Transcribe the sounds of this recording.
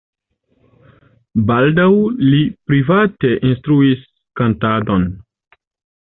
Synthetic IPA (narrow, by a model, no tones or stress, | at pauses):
baldawlipɾivate̞ʔinstɾuis | kantado̞n